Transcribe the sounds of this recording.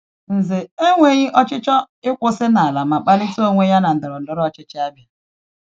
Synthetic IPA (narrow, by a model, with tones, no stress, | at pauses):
n̩˨zɪ˨e˦ŋʷe˨ɣɪ˦ʔɔ˦t͡ʃɪ˦t͡ʃɔ˦ | ɪ˦kʷʊ˦sɪ˦na˨a˨la˨ma˨k͡pa˦lɪ˦to˦ŋʷe˦ja˦na˨n̩˨dɪ˨ɾɔ˨n̩˨dɔ˦ɾɔ˦ɔ˦˨t͡ʃɪ˦t͡ʃɪ˦a˦bi˨